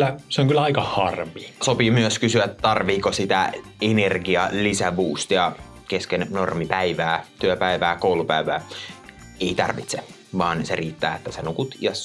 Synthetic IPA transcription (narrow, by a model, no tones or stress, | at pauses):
klːæseoŋkylːˑæɑikɑhɑrʋiːsopiːmyøskysyæt̪t̪ɑrʋiːkosit̪æ̰enerɡiɑlisæʋuːst̪jɑ | keskennormipæiʋæːt̪yøpæiʋæːkoulupæiʋæː | eit̪ɑ̰rʋit̪se | ʋɑːnseriːt̪ːæːet̪ːæsenukut̪jɑs